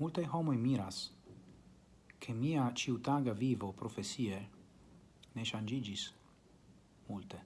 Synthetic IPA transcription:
mult̪ajɦɔmojmiɾas | kʰemiat͡ʃiut̪aɡavivopɾofesie | neʃand͡ʒid͡ʒis | mult̪e

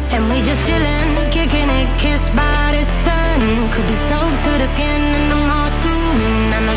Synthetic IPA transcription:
ɨ̃nwid͡ʒʌstʃɪlɪ̃n | kɪkɪ̃nɪ | kʰɪsbaɪɾɨ̥sʌ | nn | kʰɨd̚bisoʊl̚ˠtʰɨɾɨskɪ̃nɨ̃nðəmɔstu | n | ɨ̃nə

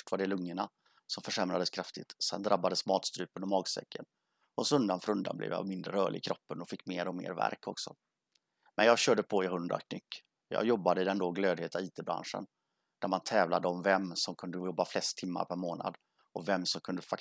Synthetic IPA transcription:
ʈvaɖɛlɵŋːəɳa | sɔmfœʂɛmɾad̪əskʰɾaft̪ɪt̪sɛ̰nd̪ɾʔabːad̪əsmɑːt̪st̪ɾʉ̟ːpənɔmɑːɡsɛ̰kʰːən | ɔsɔɵnd̪anfœɾɵnd̪a̰nblʔɛ̰ːvja̰mɪnd̪ɾə̰ɾœːɭʔɪ̰kʰɾɔpːənɔfɪkːmeːɾɔmḛːɾvæ̰ɾkʰɔ̰ksɔ̰ | mɛnjɑːɡɕœːɖəpʰɔɪɦɵnd̪ɾa̰kʰnʏkː | jɑ̰ːɡjɔbːad̪əɪd̪ɛnd̪oːɡløːd̪heːt̪aiːt̪ebɾa̰nʂə̰n | d̪̥æɾmant̪ʰɛːvlad̪əɔmvɛmːsɔmkʰɵnd̪əjɔbːaflɛst̪ʰːɪmːa̰ɾpʰæɾmoːna̰d̪ | ɔvɛmsɔmkʰɵnd̪əfak

